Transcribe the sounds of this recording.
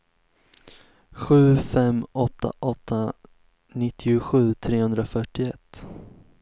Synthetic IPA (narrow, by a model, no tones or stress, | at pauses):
ɧʉ̟ːfɛmːɔt̪ːa̰ʔɔt̪ʰːa | nɪt̪ʰːɪʊɧʉ̟ːt̪ʰɾeːhɵnd̪ɾafœʈːɪɛt̪ː